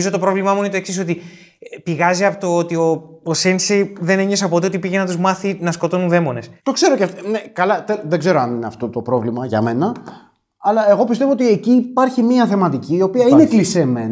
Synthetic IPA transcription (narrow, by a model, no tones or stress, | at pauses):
izot̪opɾo̞vlimɐɐmunet̪oksisot̪i | piɣɐziɐpot̪oot̪io̞osenseðe̞neɲos̬ɐpot̪eoipiʝenɐt̪uzmɐθinɐskot̪o̞nunðe̞mo̞ne̞st̪o̞kse̞ɾocefnekɐlɐt̪eðeɡze̞ɾoɐnineɐft̪o̞t̪o̞pɾo̞vlimɐʝɐ̰me̞nɐ | ɐlɐe̞ɣo̞p̬ist̪evoot̪ieciːpɐɾçimiɐθe̞mɐt̪iciːo̞piɐineklisemḛn